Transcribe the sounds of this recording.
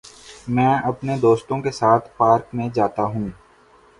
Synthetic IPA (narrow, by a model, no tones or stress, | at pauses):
mɛ̃ːɐpned̪oːst̪õkesaːt̪ʰpaːɾkmẽd͡ʒaːt̪aɦũː